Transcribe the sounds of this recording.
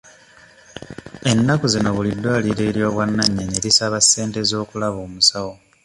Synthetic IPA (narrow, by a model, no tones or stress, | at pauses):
e̞nːakuzino̞βulidːwaːliɾe̞ːɾjo̞ːβwanːaɲːeɲeɾisaβasːe̞ːnte̞zo̞ːkulaβoːmusawo